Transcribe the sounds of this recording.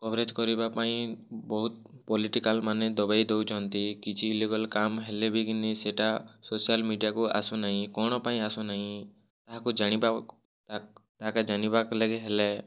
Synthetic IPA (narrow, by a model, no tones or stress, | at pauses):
kɔbɾed͡ʒkɔɾibapaĩbɔɦut̪̚ | pɔliʈikalmaned̪ɔbajd̪ewt͡ʃʰɔnt̪ikit͡ʃʰiːleɡɔlkamɦelebʱikiniseʈasosialmiɖijakuʔa̰sunaɦĩkɔɽ̃ɔpaĩasunaɦĩ | t̪aɦakud͡ʒaɽ̃iba | t̪aɦakad͡ʒañibakɔleɡeɦele